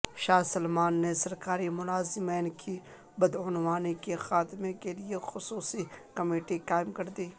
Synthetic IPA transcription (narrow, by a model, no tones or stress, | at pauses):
ʃaːsɐlmaːnːesɐɾkaːɾimʊlaːzɪmeːnkʰi | bɐd̪ʊnwaːnikexaːt̪mẽkeliexʊsuːsikɐmeːʈikaːɪmkɐɾd̪iː